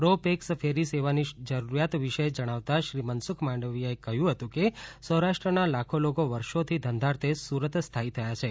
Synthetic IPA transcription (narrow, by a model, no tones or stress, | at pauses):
pɾopeksəfʰeɾiseʋanid͡ʒəɾuɾjat̪ʋiʃəd͡ʒəɽ̃aʋt̪aʃɾimənsukʰmãɳɖəʋijaekəɦjũɦət̪ũkesəɦɾaʃʈɾənalakʰolokoʋəɾʃot̪ʰid̪ʱə̃nd̪ʱaɾt̪ʰesuɾət̪st̪ʰait̪ʰəjat͡ʃʰe